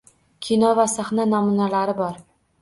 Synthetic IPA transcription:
kʲʰinɒvasaχnanamunalaɾɪbɒɾ

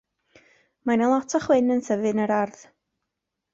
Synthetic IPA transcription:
manilˠɔtʰɔχwɪnənθəvɨnəɾarð

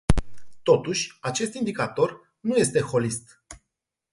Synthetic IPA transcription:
t̪o̞t̪uʃʲat͡ʃe̞st̪ind̪ikat̪o̞r | nuje̞st̪e̞xo̞list̪

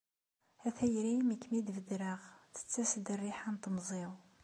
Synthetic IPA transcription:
æθæjɾimikːmid̪vəd̪ɾəʁθə̥t͡sːæsd̪ərːiħant̪mzˤiw

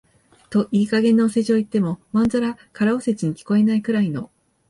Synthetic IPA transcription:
t̪o̞ʔiːkaɡẽ̞nːoːse̞ʑo̞ːit̪ːe̞mo̞mãnzaɾakaɾaose̞t͡ɕiɲ̟ikʲi̥ko̞e̞naikɯ̟ɾaino̞̰

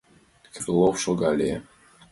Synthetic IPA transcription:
kʰɾlˠɔwʃɔɡalḭɛ̰

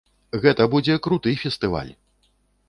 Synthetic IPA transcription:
ɣɛt̪ɐbud͡zʲɛkɾut̪ɨjfʲɛst̪ɨva̰lʲ

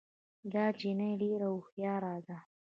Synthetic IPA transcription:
d̪ɑːd͡ʒinajɖeɾaʊxjɑːɾɑːd̪a

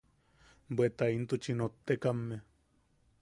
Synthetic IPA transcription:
bwet̪aint̪ut͡ʃinot̪ːekamːe

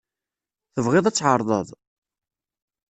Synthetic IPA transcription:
θəvʁɪðˤæt͡sːʕəɾˤðˤə̰ðˤ

